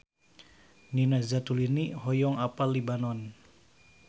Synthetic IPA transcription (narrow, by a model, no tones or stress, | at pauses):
ninazat̪uliniɦɔjɔŋapalibanɔn